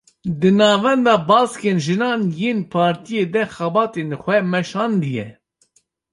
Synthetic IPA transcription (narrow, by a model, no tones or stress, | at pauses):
d̪ɨnɑːvɛnd̪ɑːbɑːskeːnʒɨnɑːnjeːnpʰɑːɾt̪ijeːd̪ɛxɛbɑːt̪eːnxʷɛmɛʃɑːnd̪ɨjɛ̰